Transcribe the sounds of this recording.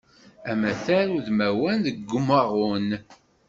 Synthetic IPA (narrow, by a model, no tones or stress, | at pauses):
æmæθæɾuðmæwænðəɡːʊməʁʊn